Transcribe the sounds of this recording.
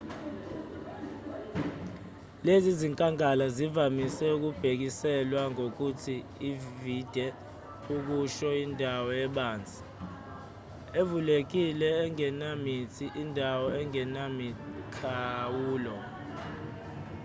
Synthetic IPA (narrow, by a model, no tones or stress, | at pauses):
leziziŋkʼaŋalazivamisɛuk̬ub̥ʱek̬isɛlwaŋok̬utʰiː | vid̥ʱɛ | uk̬uʃɔindʱawɔɛɓaːnd͡zʱi̥ | evulek̬ilɛːŋɛnamitʰiʔindʱawɔɛŋɛnamikʰawuːlɔ